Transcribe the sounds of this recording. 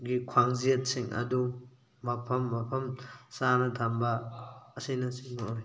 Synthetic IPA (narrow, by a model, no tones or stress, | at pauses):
ɡikʰwaŋzijɐt̚siŋɐ̰du | mapʰɐmːapʰɐmsanɐdʰʱambɐːsijnɐsiŋnɔɔj